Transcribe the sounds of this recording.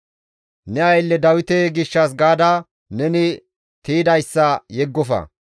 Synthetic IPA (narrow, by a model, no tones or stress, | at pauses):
nɛɐjlːɛd̪ɐwɪt̪eɡɪʃːɐs̬ɡaːd̪a | nɛnɪ | t̪iːd̪ɐjsːɐjɛɡːɔfɐ̰